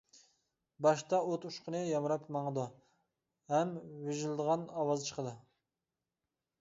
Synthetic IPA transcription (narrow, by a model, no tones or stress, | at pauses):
bɑʃt̪ɑot̪uʃqənɨjɑmɾɑpmɑŋəd̪u | hɛmweʒlˠɨd̪əʁɑnɑwɑzt͡ʃʰə̥qəd̪ɨ